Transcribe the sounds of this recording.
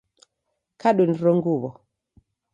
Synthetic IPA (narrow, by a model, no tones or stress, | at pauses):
kaɗunɾoŋɡuβɔ